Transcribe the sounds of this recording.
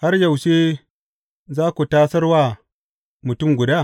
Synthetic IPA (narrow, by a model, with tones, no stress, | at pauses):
ha˦rjɐ˨wʃe˦ | zaː˦kʷu˨taː˦sɐ˦rwaː˦ | mʊ˨tʊ˦˨mɡʷʊ˨daː˦˨